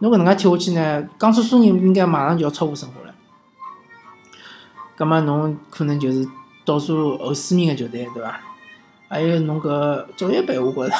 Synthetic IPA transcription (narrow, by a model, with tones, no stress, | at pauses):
no˧˥kə˨˩ə˧˥ŋka˥t̪ʰjo˧ʊ˧t͡ɕʰi˥˩nə˨˩kɑ˥ŋsu˥su˥ni˧˥i˥ŋka˥ɪma˨˩ʂɑ˥ŋt͡ɕo˧˥˩jt͡sʰɑ˥pu˥˩ʂɤ˥ŋxwɔ̰˧˥lə̰˧˦ | ka˥ŋma˥˩nnʊ˧˥ŋkʰɤ˨˩nə˧˥ŋt͡ɕjo˧ʊʂ̩˥˩ | t̪ɔ˥˩su˥˩ə˧˥sɹ̩˥mi˥˩ŋɐ˨˩t͡ɕjo˧ʊt̪e˥˩t̪we˥˩ɪba˨˩ | a˧˥jo˧˩ʊnʊ˧˥ŋkɤ˧˥t͡so˨˩ʊjɛ˥pe˨˩ɪu˧˩kɔ˧˥lə˨